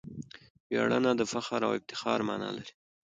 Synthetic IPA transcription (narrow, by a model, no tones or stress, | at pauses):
bjɑɽanad̪əfaxaɾawɪb̚t̪ɪ̥xɑɾmɑnɑ̰laɾi̥